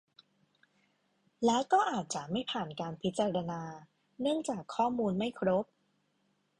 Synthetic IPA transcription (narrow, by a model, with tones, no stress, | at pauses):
lɛː˦˥wkɔː˥˩ʔaː˨˩t̪̚t͡ɕa˨˩ʔma˥˩jpʰaː˨˩nkaː˧npʰi˦˥t̪̚t͡ɕaː˧ɾa˧naː˧ | nɯ˥˩əŋt͡ɕaː˨˩kʰːɔː˥˩muː˧nma˥˩jkʰɾo˦˥p̚